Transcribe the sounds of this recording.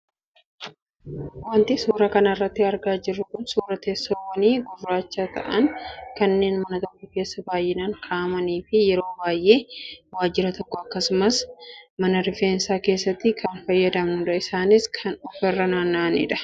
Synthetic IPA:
wɐnt̪ɪsuːɾɐkɐnɐɪrːɐt̪ːɪɐɾɡaːd͡ʒɪrːʊkʊnsuːɾɐt̪eːsːowɐniːɡʊrːaːt͡ʃːaːt̪ɐ̰ʔɐnkɐnːe̞ːnmɐnɐt̪ɔkːɔke̞ːsːɐbaːjːɪnaːŋkʰaːmɐniːfɪjɛɾo̞ːbaːjʔe̞ːwaːd͡ʒːɪɾɐt̪ɔkːɔɐkːɐsʊmɐsmɐnɐɾɪfeːnsaːke̞ːsːɐt̪ːɪkʰɐnfɐjːɐd̪ɐmnʊᶑɐɪsaːnɪskʰɐnɔfɛrːɐnaːnːaːnɪ̰ᶑɐ̥

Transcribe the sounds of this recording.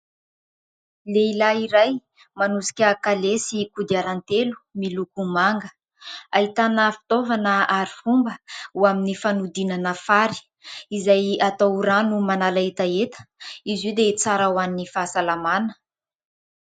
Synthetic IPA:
leilaiɾaj | manusi̥kʲəkalesikud̪iaɾant̪elu̥milukumaŋɡə | ait̪anəfi̥t̪ovanəaɾifumbəuaminifanud̪inanəfaɾi̥ | izajat̪aɾanumanalaet̪aet̪ə̥izid̪et͡saɾawaninifasalamanə̥

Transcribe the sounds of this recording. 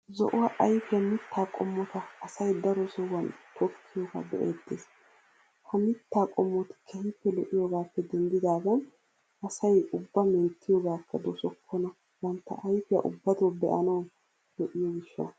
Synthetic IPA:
zɔ̰ʔʊwaʔɐjfɪjɐmɪt̪ʰːaːkʼɔmːɔt̪ɐːsɐjd̪ɐɾɔsɔwɐnt̪ʰɔkʰːɪjɔɡa̰ːbɛʔeːd̪ːeːs | hɐmɪt̪ːaːkʼɔmːɔt̪ɪ̥kʰɛhɪpːɛlɔʔɪjoɡaːpːɛd̪ɛnd̪ɪd̪aːd̪ɐn | ɐsɐjʊbːɐmɛnt̪ːɪjɔɡaːkʰːɐd̪osɔkʰːɔnɐ | wɐnt̪ːɐ̰ʔɐjfɪjɐ̰ʔʊbːɐt̪obɛ̰ʔɐnɐw | lɔʔɪjɔɡɪʃːɐ̰n

